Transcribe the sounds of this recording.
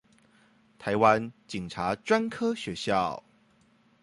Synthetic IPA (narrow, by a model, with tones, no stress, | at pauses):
t̪ʰa˨˦ɪwa˦˥nt͡ɕi˨˩ŋʈ͡ʂʰa˨˥ʈ͡ʂwa˥nkʰɤ˥ɕɥɛ˨˦ɕjɑ˥˩ʊ